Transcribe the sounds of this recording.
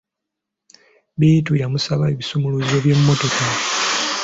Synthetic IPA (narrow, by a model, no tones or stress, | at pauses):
bitujamusaβaeβisomuluzoβjemumo̞to̞ka